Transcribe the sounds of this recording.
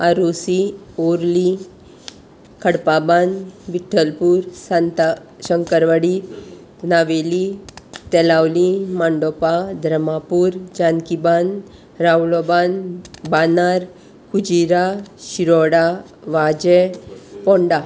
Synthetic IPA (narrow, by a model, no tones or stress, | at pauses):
aɾosioɾli | kʰəɽpabanbiʈʰːəlpuɾsant̪ | ɕəŋkəɾʋəɽi | naʋelit̪ɛlawlimaɳɖɔpad̪ʱɾəmapuɾd͡ʒankiban | ɾawlobanbanaɾ | kud͡ʑiɾaɕiɾɔɽa | ʋad͡ʑepɔɳɖa